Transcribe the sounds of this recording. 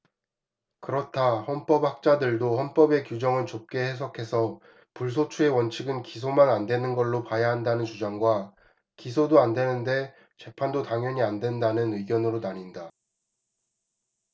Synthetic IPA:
kɯɾʌtʰahʌnp͈ʌp̚hak̚t͡ɕ͈adɯɭdohʌnp͈ʌbe̞kjud͡ʑʌŋɯɭt͡ɕop̚k͈e̞hes̬ʰʌkʰe̞sʰʌ | puɭs̬ʰot͡ɕʰue̞wʌnt͡ɕʰɯɡɯnkis̬ʰomanandwe̞nɯnɡʌɭːopajaɦandanɯnt͡ɕud͡ʑaŋɡwa | kis̬ʰodoandwe̞nɯnde̞ | t͡ɕe̞pʰandotaŋjʌɲiandwe̞ndanɯnɯiɡjʌnɯɾonaɲinda

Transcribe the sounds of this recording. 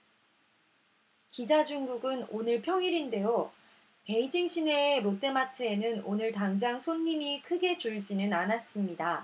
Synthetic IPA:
kid͡ʑad͡ʑuŋɡuɡɯnonɯɭpʰjʌŋiɾinde̞jo | pe̞id͡ʑiŋɕ͈ʰine̞ːmot͈e̞matʰɯenɯnonɯɭtaŋd͡ʑaŋsʰonːimikʰɯɡe̞t͡ɕuɭd͡ʑinɯnanas͈ɯmɲida

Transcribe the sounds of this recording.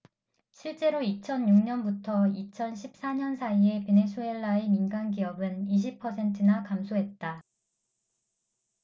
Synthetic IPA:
ɕʰiɭt͡ɕ͈e̞ɾoit͡ɕʰʌnjuŋɲʌnbutʰʌit͡ɕʰʌnɕʰip̚s͈aɲʌnsʰaie̞pe̞ne̞s͈ʰue̞ɭːae̞minɡanɡiʌbɯniɕ̬ʰipʰːʌsʰe̞ntʰɯnakamsʰoɦe̞t̚t͈a

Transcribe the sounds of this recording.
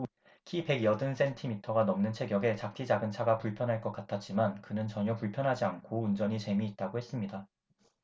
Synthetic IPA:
kʰipe̞ɡjʌdɯnsʰe̞ntʰimitʰʌɡanʌmnɯnt͡ɕʰe̞ɡjʌɡe̞t͡ɕak̚t͈ʰid͡ʑaɡɯnt͡ɕʰaɡapuɭpʰjʌnɦaɭk͈ʌk͈atʰat̚t͡ɕ͈imankɯnɯnt͡ɕʌɲjʌpuɭpʰjʌnɦad͡ʑiankʰound͡ʑʌɲit͡ɕe̞miːt̚t͈aɡohe̞s͈ɯmɲida

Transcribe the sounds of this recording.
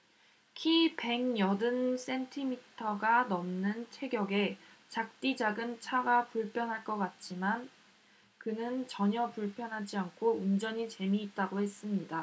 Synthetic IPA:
kʰipe̞ŋjʌdɯns͈e̞ntʰimitʰʌɡanʌmnɯnt͡ɕʰe̞ɡjʌɡe̞t͡ɕak̚t͈id͡ʑaɡɯnt͡ɕʰaɡapuɭpʰjʌnɦaɭk͈ʌk͈at̚t͡ɕ͈iman | kɯnɯnt͡ɕʌɲʌpuɭpʰjʌnɦad͡ʑiankʰound͡ʑʌɲit͡ɕe̞miːt̚t͈aɡohe̞s͈ɯmɲida

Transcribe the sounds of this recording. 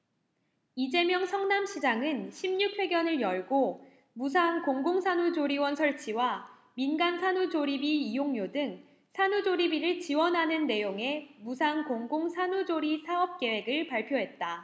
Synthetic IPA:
id͡ʑe̞mjʌŋsʰʌŋnamɕʰid͡ʑaŋɯnɕʰimɲuk̚ʰwe̞ɡjʌnɯɭjʌɭɡo | musʰaŋkoŋɡoŋsʰanud͡ʑoɾiwʌnsʰʌɭt͡ɕʰiwa | minɡansʰanud͡ʑoɾibiːjoŋjodɯŋ | sʰanud͡ʑoɾibiɾɯɭt͡ɕiwʌnɦanɯnːe̞joŋe̞musʰaŋkoŋɡoŋsʰanud͡ʑoɾisʰaʌp̚k͈e̞we̞ɡɯɭpaɭpʰjoɦe̞t̚t͈a

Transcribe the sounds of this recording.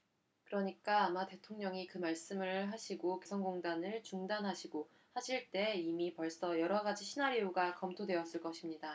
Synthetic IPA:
kɯɾʌɲik͈aːmate̞tʰoŋɲʌŋikɯmaɭs͈ɯmɯɭɦaɕʰiɡokesʰʌŋɡoŋdanɯɭt͡ɕuŋdanɦaɕʰiɡo | haɕʰiɭt͈e̞imipʌɭs͈ʌjʌɾʌɡad͡ʑiɕʰinaɾioɡakʌmtʰodwe̞ʌs͈ɯɭk͈ʌɕʰimɲida

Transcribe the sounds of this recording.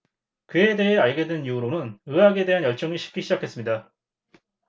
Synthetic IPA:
kɯe̞de̞ɦe̞aɭɡe̞dwɯnjoɾonɯnɯaɡe̞de̞ɦanjʌɭt͡ɕ͈ʌŋiɕʰi̥p̚k͈iɕʰid͡ʑakʰe̞s͈ɯmɲida

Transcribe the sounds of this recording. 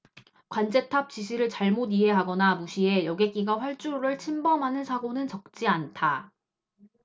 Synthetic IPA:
kwand͡ʑe̞tʰap̚t͡ɕ͈iɕ̬ʰiɾɯɭt͡ɕaɭmodiɦe̞ɦaɡʌnamuɕʰie̞jʌɡe̞k͈iɡaɸwaɭt͡ɕ͈uɾuɾɯɭt͡ɕʰimbʌmɦanɯnsʰaɡonɯnt͡ɕʌk̚t͡ɕ͈iantʰa

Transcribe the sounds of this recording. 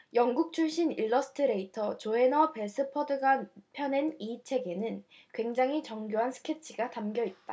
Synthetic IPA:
jʌŋɡuk̚t͡ɕʰuɭɕ͈iniɭːʌsʰɯ̥tʰɯɾe̞itʰʌt͡ɕoe̞nʌpe̞s͈ʰɯpʰʌdɯɡapʰjʌne̞nit͡ɕʰe̞ɡe̞nɯn | kwe̞ŋd͡ʑaŋɦit͡ɕʌŋɡjoɦansʰɯ̥kʰe̞t͡ɕʰiɡatamɡjʌit̚t͈a

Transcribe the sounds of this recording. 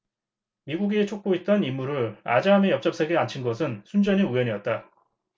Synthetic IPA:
miɡuɡet͡ɕʰok̚k͈oit̚t͈ʌnimːuɾɯɭa̰d͡ʑamejʌp̚t͡ɕ͈ʌps͈ʰeɡeant͡ɕʰinɡʌsʰɯnsʰund͡ʑʌniujʌɲiʌt̚t͈a

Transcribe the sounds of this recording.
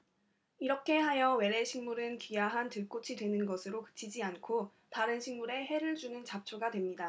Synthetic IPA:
iɾʌkʰe̞ɦajʌwe̞ɾe̞ɕʰiŋmuɾɯnkijaɦantɯɭk͈ot͡ɕʰidwe̞nɯnɡʌsʰɯɾokɯ̥t͡ɕ͈ʰid͡ʑiankʰo | taɾɯnɕʰiŋmuɾe̞ɦe̞ɾɯɭd͡ʑunɯnt͡ɕap̚t͡ɕʰoɡadwe̞mɲida

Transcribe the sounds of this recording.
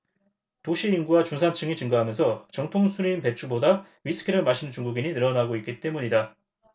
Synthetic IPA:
toɕʰiinɡuwat͡ɕunsʰant͡ɕʰɯŋit͡ɕɯŋɡaɦamjʌnsʰʌt͡ɕʌŋtʰoŋsʰuɾiːnpe̞t͡ɕʰuboda | ɥisʰɯ̥kʰiɾɯɭmaɕʰinɯnt͡ɕuŋɡuɡiɲinɯɾʌnaɡoik͈it͈e̞muɲida

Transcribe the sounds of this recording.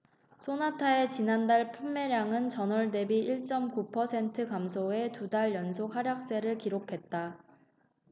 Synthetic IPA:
sʰonatʰae̞t͡ɕinandaɭpʰumːe̞ɾjaŋɯnt͡ɕʌnʌɭde̞biʔiɭt͡ɕ͈ʌmkupʰʌsʰe̞ntʰɯkamsʰoe̞tudaɭjʌnsʰok̚haɾjak̚s͈e̞ɾɯɭkiɾokʰe̞t̚t͈a

